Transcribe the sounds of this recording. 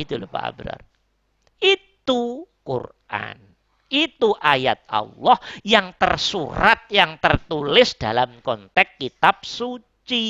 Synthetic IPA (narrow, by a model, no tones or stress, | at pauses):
it̪ulpa̰a̰bɾa̰r | it̪ukṵr | ʔa̰n | it̪uʔajat̪̚ɑ̰lːɔhjaŋt̪ərsuɾat̪̚jaŋt̪ərt̪ulɪsd̥alamkɔnt̪ɛkːit̪ap̚su | t͡ʃi